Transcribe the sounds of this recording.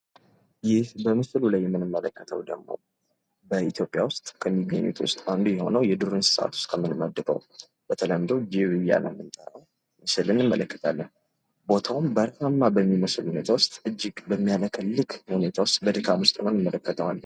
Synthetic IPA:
jɪhbəmɨslulajːɛmːɨnɨmːələkːət̪ʰə̰wd̪ə̰ɡmo̞̰ | bəit̪ʰjo̞pʼijawʊst̪ʼkʰəmːiɡːəɲːṵt̪ʰwʊ̰st̪ʼand̪ujɛho̞̰nəwjɛd̪ɨɾɨnsɨ̥səʔa̰t̪ʰʊ̥st̪kʰəmːɨnməd̪ːɨɾə̰w | b̥ət̪ʰələmd̪əwd͡ʒiwɨja̰nɨ̰mːɨnt̪ʼəɾəw | mɨsɨlɨnɨmːə̰ləkːə̥t̪ʰalːən | bo̞t̪ʰawʊmbəɾamːabəmːiməsluhunet̪ʰawʊst̪ʼɨd͡ʒːɪɡbəmːijaləkʰəllːɨkhune̞t̪ʰawʊst̪ʼbəd̪ɨkʰamʊst̪ʼɨnonjɨmːələkːət̪ʰəwalː

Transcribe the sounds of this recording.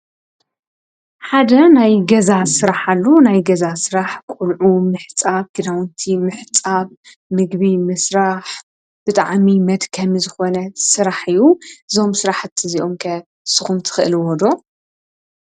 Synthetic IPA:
ħad̪ɐnajɡɐzasɨɾaħalːonajɡɐzasɨɾaħkʷʼulʕumɨħt͡sʼabɡ̥ɨd̪awnt̪ʰimɨħt͡sʼaβ | mɨɡβimɨsɾaħ | b̥ɨt̪ʼaʕmimɐd̪kʰɐmzɨxo̞nɐsɨɾaħɨjːuɨzo̞msɨɾaħt̪ʰːɨziʔo̞mkʰɐ | sɨxumt̪ʰɨ̥xɨʔɨlwɔd̪o̞

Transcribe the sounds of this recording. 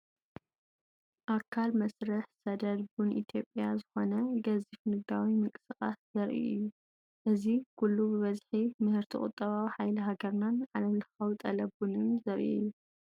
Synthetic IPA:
ʔakʰːalmɐsɾɨħsɐd̪ɐd̪bunʔḭt̪ʰjo̞pʼːjazɨxo̞nɐɡɐzifnɨɡawimɨŋkʼɨ̥sɨxʼa̰szɐɾʔḭʔɨ̰jːu | ʔɨzikʰulːubɨβɐzħimɨhɨɾt̪ʰikʼʊ̰t̪ʼːɐβawiħajliɦaɡɐɾnanʕalɐmlɨxɐwt̪ʼɐlɐbunɨmzɐɾʔḭʔɨ̰jːu

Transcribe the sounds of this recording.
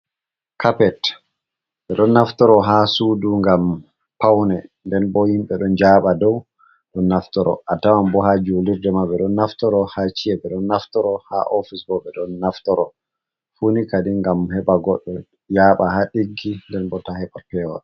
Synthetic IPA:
kapɛt | ɓɛɗɔnːaftɔɾɔɦasuːduŋɡam | pawnɛndɛnbɔhimɓɛɗɔnd͡ʒaːɓadɔw | ɗɔnːaftɔɾɔ̰ʔatawambɔɦad͡ʒoliɾdɛmaɓɛɗɔnːaftɔɾɔhat͡ʃijɛɓɛɗɔnːaftɔɾɔha̰ʔɔfisbɔɓɛɗɔnːaftɔɾɔ | funikadiŋɡamhɛɓaɡɔɗːɔ | jaːɓahaɗiɡːindɛnbɔtahɛɓapɛwɔ̰

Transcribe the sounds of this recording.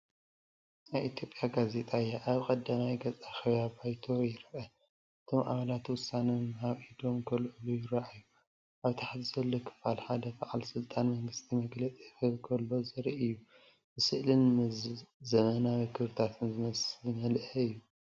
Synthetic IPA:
najʔit̪ʰjo̞pʼjaɡaze̞t̪ʼajaʔaβkʼɐd̪amajɡɐzʼaxɐβjabajt̪ʰo̞jɪɾʔɐ | ʔɨt̪ʰo̞mʔa̰βɐlat̪wʊsːanɐhaβʔid̪o̞mkʰɐlʕɨlujɪɾɐʔajːu | ʔaβt̪ʰaħt̪ʰiz̥ɐlːokʰɨ̥falħad̪ɐbaʕalsɨlt̪ʼanmɐŋɡɨst̪ʰimɐɡlɐt͡sʼixɨlkʰɐlːo̞zɨɾʔijːu | bɨsɨʔlɨnmɨzɐmɐnawikʰɨβɾɨt̪ʰat̪ʰɨnzɨmɐsmɐlʔɐɨjːu

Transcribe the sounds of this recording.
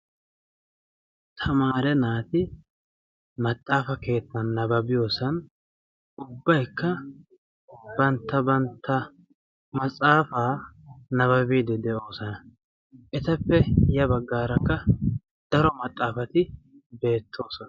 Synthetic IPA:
t̪ʰɐmaːɾɛnaːt̪ɪ | mɐt̪ʼːaːfɐke̞ːt̪ːɐnːɐbɐbɪjo̞ːsɐn | ʊbːɐjkːɐ | bɐnt̪ːɐbɐnt̪ʰːɐ | mɐt͡sʼaːfaːnɐβɐbiːd̪ɛd̪ɛʔo̞ːsɔnɐ | ʔɛt̪ɐpːɛjɐbɐɡːaːɾɐkːɐ | d̪̥ɐɾɔmɐt̪ʼːaːfɐt̪ɪ | be̞ːt̪ʰːo̞ːsɔnɐ

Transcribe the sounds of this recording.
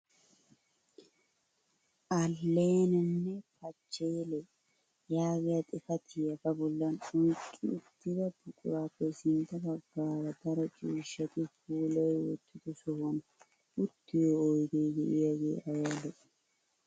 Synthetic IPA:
ʔɐlːeːnɛnːɛpɐt͡ʃːeːlɛ | jaːɡɪjɐt̪ʼɪfɐt̪ʰɪjɐfɐbɔlːɐnɔjkʼːɪʊt̪ːɪd̪ɐbʊkʼʊɾaːpːɛsɪnt̪ɐbɐɡːaːɾɐd̪ɐɾɔt͡ʃʼiːʃːɐt̪ɪfuːlɔwwɔt̪ːɪd̪ʊsɔwɔnɐ | ʔʊt̪ːɪjoːjɡ̪eːɡḛʔɪjɐɡḛːʔɐjalːɛs

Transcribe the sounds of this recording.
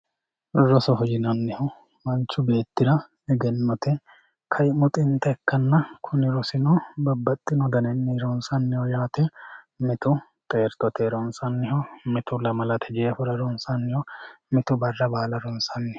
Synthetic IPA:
ɾɔsɔɦɔd͡ʒɪnɐnːɪhɔ | mɐnt͡ʃːʊbe̞ːt̪ːɪɾɐ | ɛɡɛnːɔt̪ɛ | kʰɐjmʊt̪ʼɪnt̪ɛɛkːɐnːɐkʰʊnɪɾɔsɪnɔbɐbːɐt̪ʼːɪnɔd̪ɐnɛnːiɾɔnsɐnːɪhɔjaːt̪ɛ | mɪt̪ʊ | t̪ʼeːɾt̪ɔt̪ʰɛɾɔnsɐnːɪɦɔmɪt̪ʊlɐmɐlɐt̪ʰɛd͡ʒeːfʊɾɐɾɔnsɐnːɪhɔ | mɪt̪ʊbɐrːɐbaːlɐɾɔnsɐnːɪ

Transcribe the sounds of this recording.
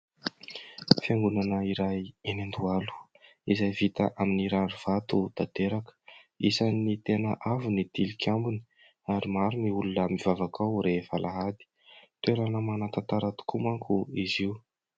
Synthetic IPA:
fjaŋɡunanəiɾajenand̪ualu̥ | izajvit̪aʔaminiɾanuv̥at̪ud̪̥ad̪̥eɾakə̥ | isanːit̪enəʔavunid̪̥ilikʰʲambuni | aɾimaɾumiulunəmivavakawɾefalʔaɦad̪i̥ | t̪weɾanəmanat̪at̪aɾat̪u̥kumaŋkʰuiziu

